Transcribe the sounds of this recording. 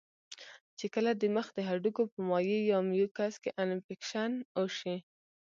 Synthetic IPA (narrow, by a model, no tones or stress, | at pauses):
t͡ʃekəlad̪əməxd̪əɦaɖukopəmɑjejɑmjukaskeʔanɪpɪkʃanoʃi